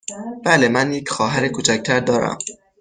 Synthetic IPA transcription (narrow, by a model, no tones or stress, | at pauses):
b̥æle̞mænje̞cʰxɒːɦæɾekʰut͡ʃʰæc̚t̪ʰæɾd̪ɒːɾæ̰m